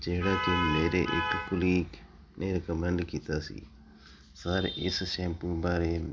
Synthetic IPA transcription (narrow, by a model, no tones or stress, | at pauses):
d͡ʒeɦɪɽaːkemeːɾeʔɪkkʊliːk | neːɾkəmə̃ɳɖkiːt̪aːsḭː | saːɾɪssẽːmpũbaːɾe